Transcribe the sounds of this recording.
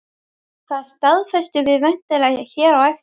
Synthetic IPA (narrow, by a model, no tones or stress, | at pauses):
θaðst̪aðfɛst̪ʏvɪðvɛn̥t̪ɪlaːjaçɛːɾawɛft̪